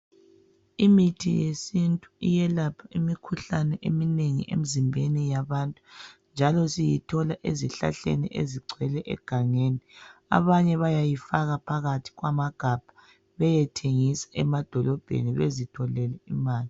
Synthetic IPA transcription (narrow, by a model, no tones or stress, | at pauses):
imitʰijesintʼuijɛlapʰaimikʰuɬanɛʔemineŋḭʔḛm̩zimbʱenijaβaːntʼu̥nd͡ʒʱalɔsijitʰɔlaʔeziɬa̰ɬḛnḭʔeziɡ͡ǀʱɛlɛʔɛ̰ɡ̥ʱaŋeːnia̰βaɲɛβajajifaɣapʰaɣatʰi̥ɣwamaɡ̥ʱab̥ʱḁ | βɛjɛtʰeŋisḁɛmad̥ʱɔlɔb̥ʱḛniβezitʰɔlɛlɛimaːli